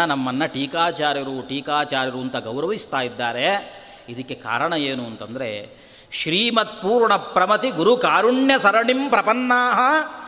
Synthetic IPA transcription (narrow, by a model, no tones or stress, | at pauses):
ɐnɐmːɐnːɐʈiːkaːt͡ʃaːɾjɐɾuʈiːkaːt͡ʃaːɾjɐɾuːnt̪ɐɡɐwɾɐʋist̪aːjid̪ːaːɾe̞ | id̪ɐkːe̞ka̰ːɾɐɳɐeːnuɐnt̪ɐnd̪ɐɾe̞̰ | ʃɾiːmɐt̪̚puːɾɳɐpɾɐmɐt̪iɡuɾukaːɾuɳjɐsɐɾɐɳimpɾɐpɐnːaːɦɐ